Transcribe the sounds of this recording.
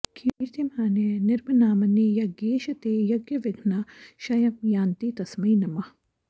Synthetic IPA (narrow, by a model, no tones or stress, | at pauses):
kʰiɾt̪imɦaːnenɪɾbɐnaːmɐnijɐɡeːʃɐt̪eːjɐɡjɐʋɪɡʱnaʃɐjɐmjaːnt̪it̪ɐsmiinɐmɐ